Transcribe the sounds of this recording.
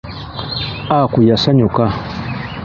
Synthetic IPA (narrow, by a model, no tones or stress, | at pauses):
akujasaɲuka